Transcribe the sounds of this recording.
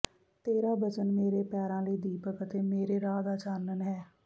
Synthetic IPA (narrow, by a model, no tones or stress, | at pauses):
t̪eːɾaːbət͡ʃənmeːɾeːpɛːɾãːləiːd̪iːpəkət̪eːmeːɾeːɾaːd̪aːt͡ʃaːnənɦɛː